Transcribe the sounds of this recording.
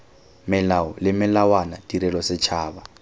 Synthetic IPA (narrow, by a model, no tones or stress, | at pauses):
mɪlaɔlɪmɪlawanatʼiɾɛlɔsɪt͡ʃʰaːba